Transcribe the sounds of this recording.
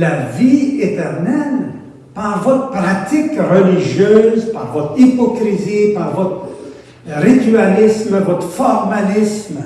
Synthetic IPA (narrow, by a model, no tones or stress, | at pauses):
laviet̪ɛʁnɛl | paʁvɔt̪əpʁat̪ikʁəliʒjøːzpaʁvɔt̪ipɔkʁizipaʁvɔt̪ | ʁit̪ɥalismavɔt̪fɔʁmalism